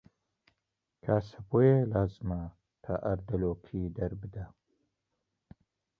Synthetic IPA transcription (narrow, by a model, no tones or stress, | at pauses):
kʰaːsɐbojelaːzɨma | t̪ʰaʔɐɾd̪ɐloːkʰid̪ɐɾbɨd̪ɐ